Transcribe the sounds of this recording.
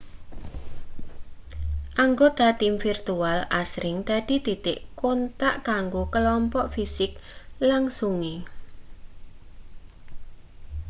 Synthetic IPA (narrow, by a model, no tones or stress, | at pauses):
ʔaŋɡod̪at̪imfirt̪ualasɾɪŋd̪̥a̤d̪̥i̤d̪̥it̪ɪʔkont̪aʔkaŋɡokəlɔmpɔʔfisɪklaŋsuŋe